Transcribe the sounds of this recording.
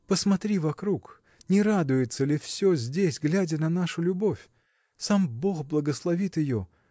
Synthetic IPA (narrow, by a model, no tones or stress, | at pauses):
pəsmɐt̪ɾʲivɐkɾuk | nʲɪɾad̪ʊjɪt̪səlʲɪfsʲɵzʲdʲesʲɡlʲædʲənɐnaʂʊlʲʊbo̞fʲ | sambo̞xblˠəɡəslˠɐvʲit̪jɪjo